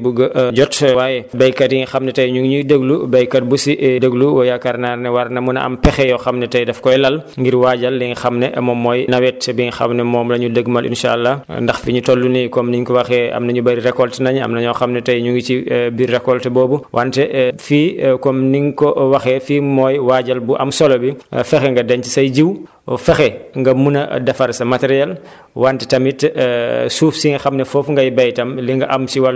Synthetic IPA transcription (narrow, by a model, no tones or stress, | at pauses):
buɡɐɟɔtwaːjɛbɐjkɐtjiŋxɐmnɛtɐjɲuŋɡɲudəɡlubɐjkːɐt̚busiʔdəɡluwɔjakɐɾnaːrnɛwɐɾnɐmunɐ̰mpɛxɛjɔxɐmnɛtɐjdɛfkɔjlɐlŋɡiɾwaɟɐlːiŋxɐmnɛʔmɔmːɔːjnɐwɛt̚ːɛbiŋxɐ̰mnɛmɔːmlɐɲudəɡmɐlʔḭnʃa̰lːɐndɐxfiɲutɔlːunikɔmniɲkɔwɐxɛɐ̰mnɐɲubɐɾiɾɛkɔltɛnɐɲɐ̰mnɐɲɔxɐmnɛtɐjɲuŋɡit͡ʃibirːɛkɔltɛbɔːbuwʔantɛfiːkɔmniŋkɔwɐxɛːfiːmɔːjwaːɟɐlbuʔɐmsɔlɔbḭfɛxɛŋɡɐdɛɲtisɐjd͡ʒiw | fɛxɛŋɡɐmunɐdɐfɐɾsɐmɐtɛɾijɛl | wantɛtɐmit | suːfsiŋxɐmnɛfɔfŋɡɐjbɐjtɐmliŋɡɐʔɐmsiwɐl